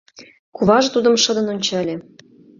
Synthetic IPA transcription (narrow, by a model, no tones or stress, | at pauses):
kuβɑʒɤ̆t̪ud̪ɤ̆mʃɤ̆d̪ɤ̆nonʲt͡ɕɑlʲĕ